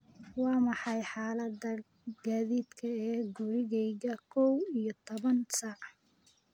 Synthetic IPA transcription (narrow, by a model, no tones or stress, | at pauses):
wɑːmɑħɑjħaːlɐd̪ɐ | ɡ̥aːðiːd̪kʰɐɛːɡʊɾɪɣɛjɣɐkʰɔwijɔt̪ʰɔβɐnsaːʕ